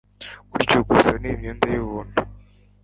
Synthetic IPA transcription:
uɾicoɡusanimɲoːndajoβuːndu

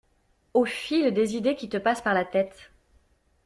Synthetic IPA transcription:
ofild̪ezid̪ekʲit̪əpaspaʁlat̪ɛt̪

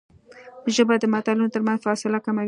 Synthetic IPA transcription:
ʒəbad̪əmat̪ɑlɪnot̪əɾmanzfɑsɪlakamaw

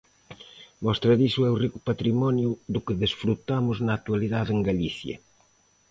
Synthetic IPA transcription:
mɔst̪ɾɐðisʊɛʊrikʊpat̪ɾimɔnjʊðʊkɪðesfɾut̪amʊznɐːt̪ualiðaðeŋɡaliθjɐ̰

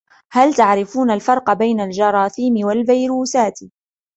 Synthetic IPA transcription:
halt̪aʕɾɪfuːnalfɑɾˤqɑbajnald͡ʒɑɾˤɑːθiːmɪwalbajɾuːsaːt̪

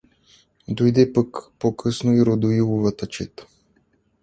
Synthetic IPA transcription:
d̪ojd̪ɛpakpokʰɤsnoiɾod̪oilˠovat̪ɐt͡ʃɛt̪

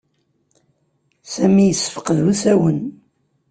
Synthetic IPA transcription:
sæmijəsːə̥fə̥qəðusæwən

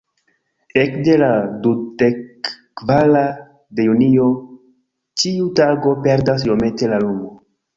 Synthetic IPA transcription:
ekde̞ladudekː | vala | de̞junio̞ | t͡ʃiutaɡo̞pe̞ɾdas̬jo̞me̞te̞lalumo

